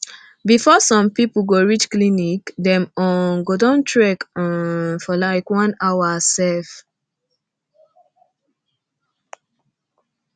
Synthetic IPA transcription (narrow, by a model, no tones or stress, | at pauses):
bifɔsɔ̃mpiplɡoɹit͡ʃklinikdɛ̃mɔnɡodɔ̃ntʰɹɛkãnfɔlaɪkwɔ̃nawasɛf